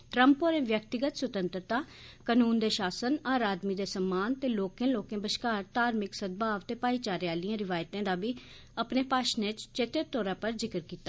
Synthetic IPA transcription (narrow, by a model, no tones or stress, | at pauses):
ʈɾə̃mpoːɾẽːʋjək̚t̪ɪɡət̪sʊt̪ə̃nt̪ɾət̪aː | kənuːnd̪eːʃaːsənaːɾaːd̪miːd̪eːsəmːaːnt̪eːloːkẽːloːkẽːbəʃkaːɾt̪aːɾmɪksəd̪̚baːʋt̪eːpaːiːt͡ʃaːɾjaːliãɾɪʋaːjt̪ẽːd̪aːbiː | əpneːpaːʃnẽt͡ʃt͡ʃeːt̪əɾt̪ɔːɾaːpəɾzɪkɾkiːt̪aː